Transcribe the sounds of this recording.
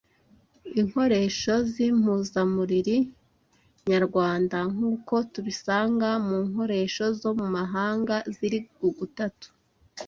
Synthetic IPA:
iŋho̞ɾe̞ːʃo̞zim̥huːzamuɾiɾi | ɲaɾɡwaːndaŋ̥uːko̞tuβisaːŋɡamuːŋho̞ɾe̞ːʃo̞zo̞mumaɦaːŋɡaziɾiɡuɡutatu̥

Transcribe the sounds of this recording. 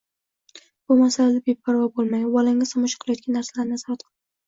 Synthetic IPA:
b̥ʊmasalad̪abepʰːaɾvɒbolˠmajwɒlɪŋɪzɒmʊʃɪ̥qʰːɨlˠajɔt̪̚kʲanːaɾsalaɾnazɒhat̪̚qʰlˠɪɪ

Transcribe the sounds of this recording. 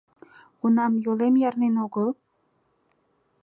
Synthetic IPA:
ɡ̥unɑmjolemjɑɾnenoɣəlˠ

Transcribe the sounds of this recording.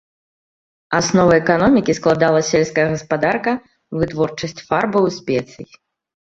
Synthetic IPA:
asnɔvɐɛkanɔmʲikʲisklˠad̪alˠɐsʲɛlʲskɐjɐɣɐspad̪arkɐ | vɨt̪vɔrt͡ʂɐsʲt͡sʲfarbɐwsʲpʲɛt̪sɨji

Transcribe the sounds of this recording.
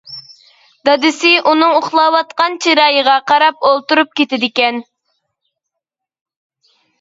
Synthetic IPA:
d̪ɑd̪ɪsɪʔunɨŋoχlˠɑːwɑt̪̚qɑnt͡ʃʰiɾɑːjəʁɑqʰɑɾɑpolˠt̪uɾup̚kʲet̪ɪd̪ɪkʲɛn

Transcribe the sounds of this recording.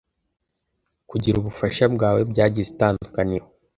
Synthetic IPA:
kuɟiɾuβufaʃabɡaːwe̞bɟaːɟizetaːnddukanihho

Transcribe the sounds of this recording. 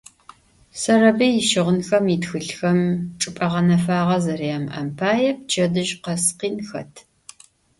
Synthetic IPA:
sɐrɐbijɪʃɪʁʷʊnxɐmitxɨɬxɐmʈ͡ʂʼɨpʼɐʁɐnɐfaːʁɐzɐriɐmʔɐ̰mpʰaːjɛpt͡ʃʰɐdɨʒqɐsqiːnxɐ̰tʰ

